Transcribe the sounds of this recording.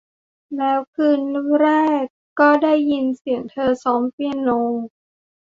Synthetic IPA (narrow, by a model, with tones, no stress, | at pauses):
lɛː˦˥wkʰɯː˧nɾɛː˥˩kːɔː˥˩daː˥˩jːi˧nsi˨˩˦əŋt̪ʰɤː˧sɔː˦˥mpi˧ənlo˧ŋ